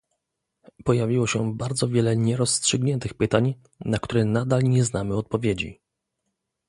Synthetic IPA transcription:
pɔjavʲiwɔɕɛbaɾd̪zɔvʲjɛlɛɲɛɾɔsːtʂɘɡɲɛnt̪ɘxpɘt̪aɲ | nak̚t̪uɾɛnad̪alɲɛznamɘɔt̪̚pɔvʲjed͡ʑḭ

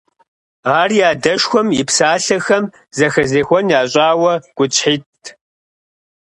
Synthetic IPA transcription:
aːrjaːdɐʃxʷɔmɪpsaːɬɐxɐm | zɐxɐzeːxʷɔnjaːɕʼaːwɐɡ̥ʷʊt͡ɕʼħiːt

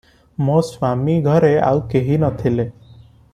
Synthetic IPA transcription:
mõswamiɡʱʌɾea̰wkeɦinʌt̪ʰile

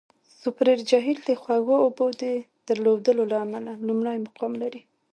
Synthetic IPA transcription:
sʊpɾeɾd͡ʒaɦild̪exwaɣoːbod̪e | d̪̥əɾlowd̪əlolaːmalalumɳajmaqɑmlaɾi

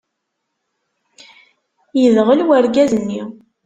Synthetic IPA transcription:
jəðʁəlwæɾɡæzənːi

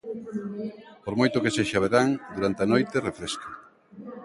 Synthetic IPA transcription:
poɾmojt̪okeseʃaβ̞eɾaŋd̪uɾant̪eanojt̪erefɾesko

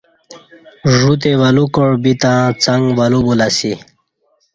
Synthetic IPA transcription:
ʐut̪̬ewalukoɽbit̪ãt͡saŋɡwalubulasi

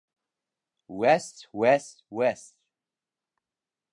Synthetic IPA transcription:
wɛstwɛstwɛst

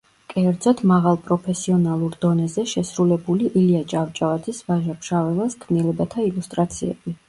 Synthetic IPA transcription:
kʼɛɾd̪zɔt̪ʰmaʁalˠpʼɾɔpʰɛsiɔnalˠuɾd̪ɔnɛzɛʃɛsɾulɛbuliʔiliad͡ʒʼavt͡ʃʼavad̪zisvaʒapʰʃavɛlˠaskʰvnilɛbat̪ʰailust̪ʼɾat̪sʰiɛ̰bi

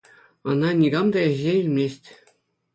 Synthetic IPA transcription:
ɤ̆nɑnʲiɡɑmd̪ɑeʑʲeilʲmʲesʲtʲ

